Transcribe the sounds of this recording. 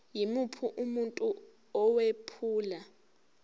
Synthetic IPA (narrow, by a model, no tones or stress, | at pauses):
jimupʰuʔumuntʼu | ɔwepʰuːla